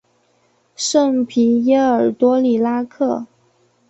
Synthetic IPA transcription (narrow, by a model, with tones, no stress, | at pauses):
ʂɤ˥˩ŋpʰi˧˥jɛ˥ə˞˨˩t̪wɔ˥li˨˩la˥kʰɤ˥˩